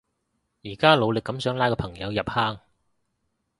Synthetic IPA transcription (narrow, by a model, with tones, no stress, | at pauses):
jiː˨˩kaː˥lo˨˧wlɪ˨kːɐ˨˥msœː˨˥ŋlaː˧˥jkɔː˧pʰɐ˨˩ŋjɐ˨˧wjɐ˨p̚haː˥ŋ